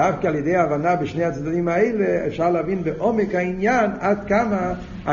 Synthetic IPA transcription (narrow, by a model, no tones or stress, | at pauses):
afkalˠjedeɪaːvanabɪʃneːat͡sdadimaeɪleɛ̰fʃaʁlavinbɪʔɔmɪkhainjanatkama | a